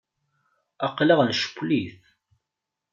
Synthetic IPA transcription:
ɑqːlɑʁnʃkʷːliθ

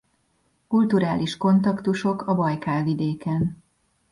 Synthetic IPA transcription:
kult̪uɾaːlʔiʃko̞nt̪ɒkt̪uʃo̞kɒbɒjkaːvid̪eːkɛn

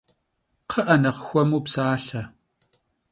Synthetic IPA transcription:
qʰəʔɐnɐqxʷɔmupsaːɬɐ

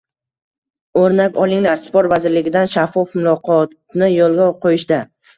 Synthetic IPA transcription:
oɾnakʲɒlˠɪŋlaɾsɪ̥poɾt̪vazɪɾlɪɡʲɪd̪anʃafːɒfmʊlˠɒqʰɒt̪ | nɪjɒlˠɡʲaqʰojɪʃd̪a

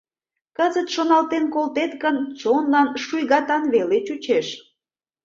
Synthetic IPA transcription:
kəzət̪ʃonɑlt̪enkolt̪et̪ɣənt͡sonlɑnʃujɣɑt̪ɑnβelet͡ɕut͡ɕeʃ

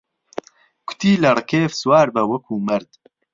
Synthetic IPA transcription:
kʰʊ̥t̪iːlɐrɨkeːfswaːɾbɐwɐkʰuːmɐɾd̪

